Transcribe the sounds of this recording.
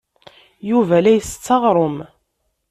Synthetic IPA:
juvælæjəst͡sːɑʁɾˤʊm

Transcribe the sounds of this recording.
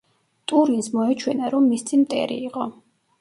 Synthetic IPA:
t̪ʼuɾinsmɔɛt͡ʃʰwɛnaɾɔmːist̪sʰimt̪ʼɛ̰ɾḭːqʼɔ

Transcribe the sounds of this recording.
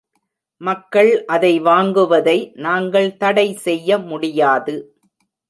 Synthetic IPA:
mɐkːɐɭʔɐðɐɪʋaːŋɡɯʋɐðɐɪnaːŋɡɐɭt̪ɐɽɐɪsɛjːɐmʊɽɪjaːðɯ

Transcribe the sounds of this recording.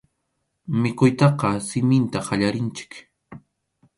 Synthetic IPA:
mɪkʊjt̪ɑqɑsɪmɪnt̪aɢaʎaɾɪnt͡ʃɪ̥k

